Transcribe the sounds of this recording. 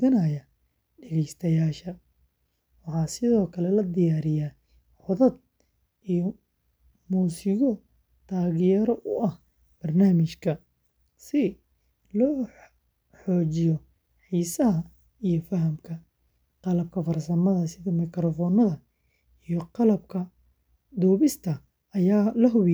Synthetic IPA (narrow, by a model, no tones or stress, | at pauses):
ɐnɐjɐ | ɖɛɣɛjst̪ʰɐjaːʃɐ | wɑħɑːsɪðɔːkʰɐlɛlɐd̪ɪjaːɾɪjaː | ʕɔðɐd̪̚ | ijɔ | muːsɪɣɔ | t̪ʰaːɣɪjɛɾɔʔʊʔɐh | b̥ɐrnaːmɪʃkʰɐ | sɪ | lɔː | ħɔːt͡ʃɪjɔ | ħiːsɐɦɐ | ijɞfɐɦɐmkʰɐ | qɑlɐb̚kʰɐfɐrsɐmɐðɐsɪðɐmɪkɾɔfɔːnɐðɐ | ijɔqɑlɐbkʰɐ | d̪ɔːβɪst̪ʰɐː | jaːlɐɦʊβ